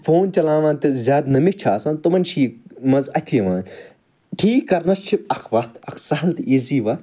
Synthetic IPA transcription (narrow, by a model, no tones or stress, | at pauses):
foːnt͡ʃɐlãːʋaːnt̪izʲaːd̪nɐmit͡ʃʰaːsãːnt̪umɐnt͡ʃʰiːmɐzɐt̪ʰʲiʋãːn | ʈʰiːkːɐɾnɐst͡ʃʰiɐkʰʋɐt̪ʰɐkʰsɐɦɐlt̪iziːʋɐt̪